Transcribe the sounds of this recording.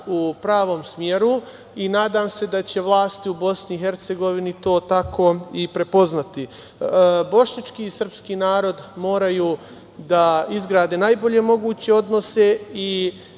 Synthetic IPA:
upɾaːʋo̞ːmsmjeɾu | inaːd̪amse̞d̪at͡ɕe̞ʋlˠaːst̪iubo̞sniixe̞ɾt̪se̞ɡo̞ʋinit̪o̞ːt̪akʰo̞ipɾe̞po̞znat̪i | bo̞ʃɲat͡ʃkiːsər̩pskiːnaːɾo̞d̪mo̞ːɾajuː | d̪aizɡɾaːd̪enajbo̞ʎe̞mo̞ɡuːt͡ɕe̞o̞d̪no̞se̞i

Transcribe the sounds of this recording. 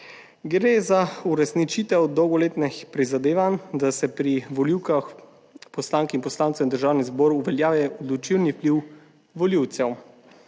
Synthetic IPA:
ɡɾeːzauɾɛsnit͡ʃiːt̪ɛwd̪ːɔwɡɔleːt̪nɛxpɾizad̪eːʋand̪asɛpɾiʋɔliwkax | pɔslaːŋkinpɔslaːntsɛwnd̪əɾʒaːwnizbɔːɾuʋɛljaːʋɛɔd̪lut͡ʃilniwpliw | ʋɔliwt̪sɛw

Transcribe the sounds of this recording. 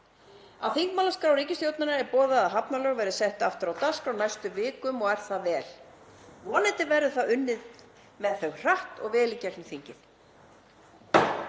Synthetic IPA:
a̰ðθiŋkmaːlaskɾawɾiːcɪst̪jowt̪nanaɛɾpɔːðaːðɦapnalɛːɣɔvɛːɾɪðsɛht̪aft̪ʏɾawt̪askfawnajst̪ʏvɪːkʏmɔɣɛɾ̥θaðvɛːl | vɔːnɛjt̪ɪvɛɾðʏθaðʏnːɪð | mɛðθœɣr̥aht̪ɔ̰ɣvɛːlɪcaknʏθiɲcɪθ

